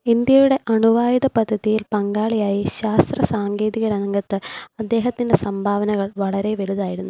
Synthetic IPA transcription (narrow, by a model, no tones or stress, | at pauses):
ind̪jɐjuɽe̞ʔɐɳuʋaːjɐðɐpɐd̪ʱːɐðijilpɐŋɡaːɭijaːjiɕaːst̪rɐsaːŋɡe̞ːðiɣɐɾɐnɐŋɡɐt̪ːɨɐd̪ːe̞ːɦɐt̪ːinde̞sɐmbʱaːʋɐnɐɣɐɭʋɐɭɐɾe̞ʋeɭuðaːjiɾunːu